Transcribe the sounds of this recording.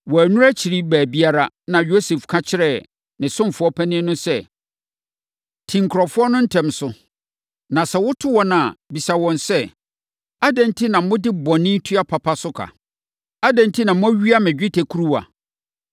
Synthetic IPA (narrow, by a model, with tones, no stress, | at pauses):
wɔ˨æ˨nũ˦ɾæ˦t͡ɕʰi˨ɾi˦bæː˨bi˦a˦ɾa˦ | nã˨jo˦se˨fkʰã˦t͡ɕʰɪ˦ɾɛ˦˨ | nɪ̃˨sʊ̃˦m˨fʊ˦ɔ˦pʰæ˦nɪ̃˦nʊ̃˦sɛ˦ | tʰĩ˨ŋ˨kʰɾɔ˨fʊ˦ɔ˦nʊ̃˦n̩˦tʰɛ̃˨msʊ˨ | nã˨sɛ˨wʊ˦tʰʊ˦wɔ˨nã˨bi˨sa˨wɔ̃˨nsɛ˦ | a˦dɛ̃˨n˦tʰi˦nã˨m̩˦mʊ̃˦dɪ˦bɔ˨nɪ̃˦tʰu˦a˦pʰa˨pʰa˦sʊ˦kʰa̰˨ | a˦dɛ̃˨n˦tʰi˦nã˨mʊ̃˦æ˦ɥi˦a˦mɪ̃˨d͡ʑᶣɪ˦tʰæ˨kʰu˦ɾu˦wa̰˨